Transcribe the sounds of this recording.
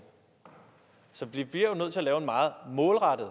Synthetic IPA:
sɒ̽b̥lib̥liɐ̰jo̝nøð̰ˠt͡sʰe̝ælɛːʊe̝nmɑ̈ːð̞̩ˠmɔ̽ːlʁɑ̈d̥ð̩ˠ

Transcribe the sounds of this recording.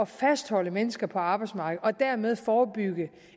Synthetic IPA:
ɒ̽fæsd̥hɒ̽l̰əmenəsɡ̥ɐpʰɒ̽ɑ̈ːb̥ɑ̈ɪdsmɑ̈ːɡ̥ð̩ˠɒ̽d̥æɐmeð̞ˠfɒːb̥yɡ̥ə

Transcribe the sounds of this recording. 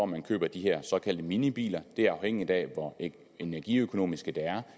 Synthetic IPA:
ɒmænkʰø̰ːb̥ɐd̥iɦeɐ̰sɒ̽kʰæl̰d̥əminib̥ḭːlɐd̥e̝æɐɑ̈ʊheŋ̰id̥ɛʋɒ | e̝næɐɡ̥iøkʰo̝no̝̰ːmisɡ̥əd̥eæɐ

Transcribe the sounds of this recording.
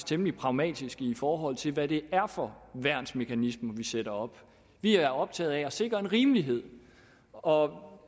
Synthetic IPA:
st͡sʰemlipʰʁɑ̈ʊmɛ̰ːd̥isɡ̥əifɒːɦɒ̽l̰t͡sʰe̝lʋæɾe̝æɐfɒ̽ʋæɐ̰nsme̝kʰænismɐʋiseɾ̥ɐɒ̽b̥ | ʋiææɐɒ̽b̥̚t͡sʰɛ̰ːð̞̩ˠæɒ̽se̝ɡ̥ʁɐe̝nʁiːməliɦe̝ð̞̰ˠ | ɒ̽

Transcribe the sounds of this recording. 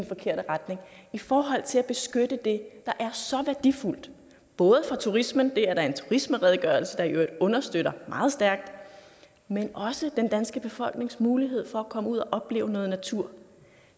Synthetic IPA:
nfɒ̽kʰe̝ɐ̰ɾ̥əʁad̥ne̝ŋifɒːɦɒ̽l̰t͡sʰe̝læb̥e̝sɡ̥ød̥əd̥e̝d̥ɑ̈ʔæɐsɒ̽ʋæɐd̥iful̰d̥ | b̥ɔ̽ːð̞ˠəfʁɑ̈t͡sʰuʁismənd̥e̝æɐɾ̥ɑ̈ɐe̝nt͡sʰuʁisməʁɛð̞ˠɡ̥ɶɐl̩səd̥ɑ̈iʔød̥ɔ̽nɐsd̥øɾ̥ɐmɑ̈ːð̞̩ˠsd̥æɐɡ̥̚d̥ | menɒ̽səd̥end̥ænsɡ̥əb̥e̝fɒ̽l̰ɡ̥ne̝ŋsmuːliɦe̝ð̞̰ˠfɒ̽ækʰɒ̽məuð̞̰ˠɒʔɒ̽b̥le̝̰ːʊənɔ̽ːð̩ˠnæt͡sʰuɐ̰

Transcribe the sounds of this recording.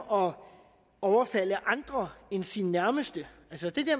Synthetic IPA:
ɒ̽ | ɒʊɐfæl̰əʔɑ̈nd̥ʁɐensinnæɐməsd̥əælsəd̥e̝d̥eɐ

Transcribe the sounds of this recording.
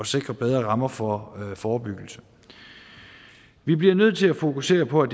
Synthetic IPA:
ɒ̽se̝ɡ̥ʁɐb̥eð̞ˠʁɐʁɑ̈mɐfɒfɒːb̥yɡ̥l̩sə | ʋib̥liɐnøð̞̰ˠt͡sʰe̝læfo̝kʰuse̝̰ːɐpʰɒ̽æd̥

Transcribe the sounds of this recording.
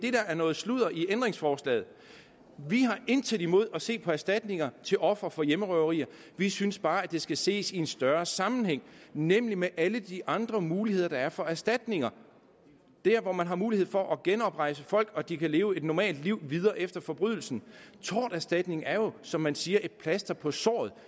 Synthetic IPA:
d̥e̝d̥ææɐnɔ̽ːð̩ˠsluð̰ˠɐʔiend̥ʁeŋsfɒːslɛ̰ːð̩ˠ | ʋiɦɑ̈ʔe̝nt͡sʰed̥imo̝ð̞̰ˠɒ̽se̝̰ːpʰɒ̽æɐsd̥æd̥ne̝ŋɐt͡sʰe̝lʔɒ̽fʁɐfɒ̽jeməʁœʊɐʁḭːɐ | ʋisynsb̥ɑ̈ːæd̥e̝sɡ̥æse̝̰ːsie̝nsd̥ɶɐsɑ̈mn̩heŋ̰nem̰limeʔæləd̥iʔɑ̈nd̥ʁɐmuːlihe̝ð̰ˠɐd̥ɑ̈æɐfɒ̽æɐsd̥æd̥ne̝ŋɐ | d̥æɐʋɒmænɦɑ̈muːlihe̝̰fɒ̽ʔɒ̽ɡ̥enɒ̽b̥ʁɑ̈ɪ̰səfɒ̽l̰ɡ̥ɒ̽d̥ikʰæle̝ːʊəe̝d̥nɒmɛ̰ːld̥liʊ̰ʋið̞ˠɐːʔefd̥ɐfɒ̽b̥ʁyð̞̰ˠl̩sn̩t͡sʰɒ̰ːd̥æɐsd̥æd̥ne̝ŋæɐjo̝sɒ̽mːænsiːɐʔe̝d̥̚pʰlæsd̥ɐpʰɒ̽sɒ̰ːð̞̩ˠ

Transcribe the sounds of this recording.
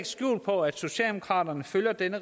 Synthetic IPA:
ɡ̥sɡ̥jṵːlpʰɒ̽æd̥so̝ɕɕɛ̰ld̥emo̝kʰʁɑ̰̈ːd̥ɐnəføljɐd̥enə

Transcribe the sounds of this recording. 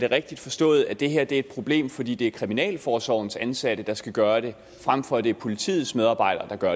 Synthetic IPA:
d̥e̝ʁeɡ̥̚d̥id̥fɒ̽sd̥ɔ̰ːð̞̩ˠæd̥e̝ɦeɐ̰d̥e̝ɐe̝d̥̚pʰʁo̝b̥le̝̰ːmfɒ̽d̥ḭːd̥e̝æɐkʰʁiminɛ̰ːlfɒːsɒʊn̩sænsæɾ̥əd̥ɑ̈sɡ̥æɡ̥ɶːɐɾ̥e̝ | fʁamfɒ̽d̥e̝ɐpʰo̝lit͡sʰḭːð̩ˠsmeð̞ˠɑ̈ːb̥ɑ̈ɪ̰d̥ɐːd̥ɑ̈ɡ̥ɶɐ

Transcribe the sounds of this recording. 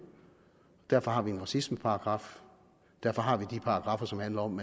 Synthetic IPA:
ɒd̥æɐfɒ̽hɑ̈ʋienʁɑ̈sisməpʰɑ̈ɑ̈ɡ̥ʁɑ̈ːf | d̥æɐfɒ̽ɦɑ̈ʋid̥ipʰɑ̈ɑ̈ɡ̥ʁɑ̈fɐsɒ̽mhænlɐɒ̽m

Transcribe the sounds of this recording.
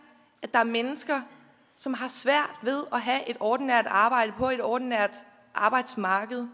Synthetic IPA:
ʔæ̥ɑ̈æɐmenəsɡ̥ɐ | sɒ̽mɦɑ̈sʋæɐ̰d̥ʋe̝ðˠɒɦæʔe̝d̥ɒːd̥n̩æɐ̰d̥ɑ̈ːb̥ɑ̈ɪ̰d̥əpʰɒ̽e̝ɾ̥ɒːd̥in̩æɐ̰d̥ | ʔɑ̈ːb̥ɑ̈ɪd̥smɑ̈ːɡ̥əð̞̩ˠ

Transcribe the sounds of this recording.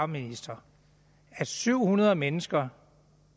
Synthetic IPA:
minisd̥ɐ | æsyʊ̰hunɐðˠmenəsɡ̥ɐ

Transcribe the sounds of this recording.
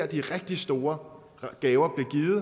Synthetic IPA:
ɐd̥iʁɛɡ̥̚d̥isd̥o̝ːɐ | ɡ̥ɛːʊɐb̥le̝ɡ̥iːð̩ˠ

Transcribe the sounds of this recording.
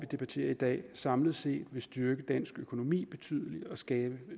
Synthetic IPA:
ʋid̥e̝b̥æt͡sʰe̝̰ːɐid̥ɛ̰ːsɑ̈mləð̞̩ˠse̝̰ːd̥ʋe̝sd̥yɐɡ̥əd̥æn̰sɡ̥økʰo̝no̝mḭːb̥e̝t͡sʰy̰ðˠəliɒ̽sɡ̥ɛːb̥ə

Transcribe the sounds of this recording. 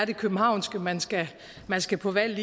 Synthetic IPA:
ɐɾ̥e̝kʰøb̥m̩ɦɑ̈ʊ̰nsɡ̥əmænsɡ̥æ | mænsɡ̥æpʰɒ̽ʋæl̰li

